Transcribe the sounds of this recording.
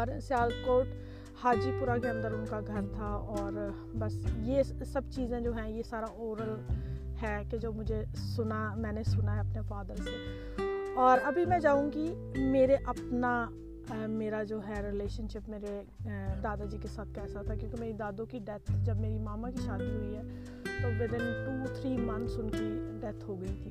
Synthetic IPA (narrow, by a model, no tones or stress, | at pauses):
ɔɾsjaːlkoːʈ | haːd͡ʒipuːɾakeə̃nd̪əɾʊnkaɡʱɐɾt̪ʰaɔːɾ | bɐsjesɐbt͡ʃiːzẽd͡ʒoːɦɛ̃jesaːɾaʔoːɾəlhɛːked͡ʒoːmʊd͡ʒʱesʊnamɛ̃ːnesʊnaɛɐpnefaːd̪əɾseː | ɔːɾɐbʱimɛ̃d͡ʒaːũɡi | meːɾeʔɐpna | meːɾad͡ʒoːɦɛɾɪleːʃənʃɪpmeːɾe | d̪aːd̪ad͡ʒiːkesaːt̪̚ʰkɛːsaɦot̪ʰakjõːkemeːɾid̪aːd̪õkiɖɛt̪ʰd͡ʒəbmeːɾimaːmãkiʃaːd̪iɦʊiɦɛː | t̪oːʋɪd̪ɪ̃nʈuːt̪ʰɾiːmɐ̃nsʊnkeɖɛt̪ʰɦoɡɐit̪ʰiː